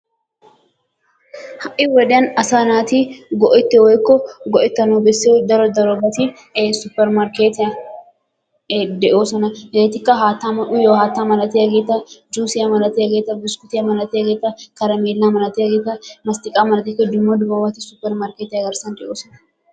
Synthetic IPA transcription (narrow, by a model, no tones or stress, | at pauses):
hɐʔɪwɛd̪ɪɐnɐsaːnaːt̪iːɡɔʔɪt̪ːɛwɔjkːɔɡɔʔɪt̪ːɐnobɛsːed̪ɐɾɔd̪ɐɾɔbɐt̪i | sʊpːɛɾmɐɾkeːt̪ɪɐ | d̪ɛʔoːsɐnɐeːt̪ɪkːɐɦaːt̪ːaːmɐʔʊjoːhaːt̪ːaːmɐlɐt̪iɐɡeːt̪ːɐd͡ʒuːsɪjɐmɐlɐt̪iɐɡeːt̪ːɐbɪskʊt̪ɪjɐmɐlɐt̪iɐɡeːt̪ːɐkɐɾɐmeːlːaːmɐlɐt̪iɐɡeːt̪ːɐmɐst̪ɪkʼaːmɐlɐt̪iːkɛd͡ʒːʊmːoːd̪ʊbɐmɐt̪ɪsʊpːɛɾmɐɾkeːt̪ɪjɐɡɐɾsɐnd̪ɛʔoːsɐnɐ̥